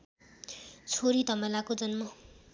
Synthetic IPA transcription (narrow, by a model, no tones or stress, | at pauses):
t͡sʰoɾid̪ʱʌmʌlakod͡zʌnmʌ